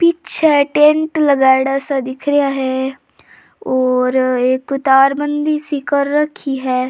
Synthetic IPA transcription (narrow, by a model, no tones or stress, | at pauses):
pɪtːʃʰɛʈẽɳʈləɡaːɽasad̪ɪkʰɾɪjaːɦɛː | ɔːɾekt̪aːɾbənd̪iːsikəɾːəkʰːiːɦɛː